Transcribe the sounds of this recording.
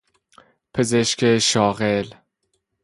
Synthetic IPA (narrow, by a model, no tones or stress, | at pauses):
pʰezeʃkʰeʃɒːɣel